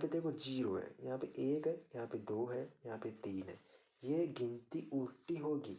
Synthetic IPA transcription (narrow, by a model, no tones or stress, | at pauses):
jãpeɾd̪eːkʰod͡ʒiːɾoɦɛ̰jɐɦãːpeɾʔeːkɦɛjɐɦãːped̪oːɦɛjɐɦãːpɪt̪iːnɦɛ̰ː | jeːɡɪ̃nt̪iʔuːʈːiɦoːɡiː